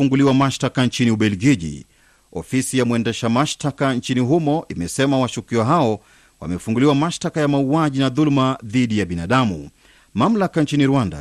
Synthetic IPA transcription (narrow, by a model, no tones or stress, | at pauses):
uŋɡuliwamaʃtakant͡ʃiniuɓɛlɡiʄḭ | ɔfisijamuɛndɛʃamaʃtakant͡ʃiniɦumɔʔimɛsɛmawaʃukiɔɦaɔ | wa̰mɛfuŋɡuliwamaʃtakajamauaʄinaðulmaðiɗijaɓinaɗamṵ | mam̩lakant͡ʃiniɾuwanda̰